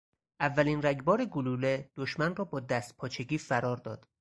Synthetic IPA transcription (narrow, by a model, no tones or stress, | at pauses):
ʔævːæliːnræɟbɒːɾeɡoluːled̪̥oʃmænrɒːbɒːd̪æst̪̚pʰɒːt͡ʃʰe̞ɡiːfæɾɒːɾd̪ɒ̰ːd̪̥